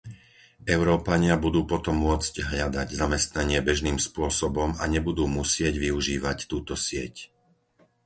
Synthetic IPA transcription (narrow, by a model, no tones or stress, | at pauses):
ɛʊɾɔːpaɲɪabud̪uːpɔt̪ɔmːʊɔt͡sɟɦʎad̪aɟzamɛst̪naɲɪɛbɛʒniːmspʊɔsɔbɔma̰ɲɛbud̪uːmusɪɛɟʋiuʒiːʋact̪uːt̪ɔsɪɛ̰c